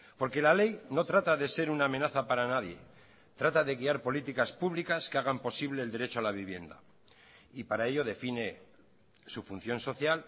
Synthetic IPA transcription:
po̞ɾke̞lale̞jno̞t̪ɾat̪aðe̞se̞ɾunaːme̞naθapaɾanaðje̞̰ | t̪ɾat̪aðe̞ɣiaɾpo̞lit̪ikaspuβlikaskeaɣampo̞siβle̞ːld̪e̞ɾe̞t͡ʃoalaβ̞iβje̞̰nd̪a | ipaɾae̞ʎo̞ð̞e̞fine̞ | sufun̟θjo̞nso̞θjal

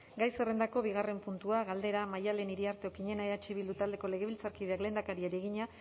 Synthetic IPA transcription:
ɡajsere̞nd̪ako̞βiɣare̞mpunt̪uaɣald̪e̞ɾamajale̞niɾiaɾt̪e̞okiɲe̞naeat͡ʃiβild̪ut̪ald̪e̞ko̞le̞ɣ̞e̞βilt͡saɾkiðe̞akle̞nd̪akaɾieɾeɣiɲa

